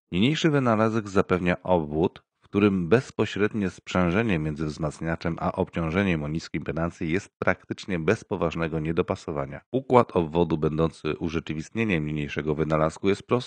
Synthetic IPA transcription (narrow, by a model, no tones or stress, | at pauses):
ɲiɲejʂɘvɘnalazɛɡzapɛvɲaʔɔbvut̪ | fkt̪uɾɘmbɛspɔɕɾɛd̪ɲɛspʂɛ̃ʐɛɲɛmʲjɛnzɘvzmat̪sɲat͡ʂɛmʔa̰ʔɔpt͡ɕɔ̃w̃ʐɛɲɛmɔɲiskʲimpɛnant̪sʲjijɛst̪̚pɾakt̪ɘt͡ʂɲɛbɛspɔvaʐnɛɡɔɲɛd̪ɔpasɔvaɲa̰ukwat̪ʰɔbvɔd̪ubɛnd̪ɔnt̪sɘ̰ʔuʐɛt͡ʂɘvʲist̪ɲeɲɛmɲiɲejʂɛɡɔvɘnalaskujɛst̪̚pɾɔst̪